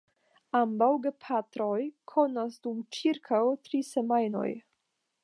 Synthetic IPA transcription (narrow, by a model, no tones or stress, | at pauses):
ambawɡepʰatɾo̞jkʰo̞nasdumt͡ʃiɾkʰawtɾisemajno̞̰j